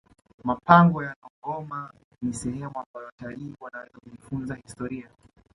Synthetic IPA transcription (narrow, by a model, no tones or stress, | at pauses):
mapaŋɡɔjanɔɡɔma | nisɛhɛmuambajɔwataliːwanawɛzakuʄifunzahistɔɾia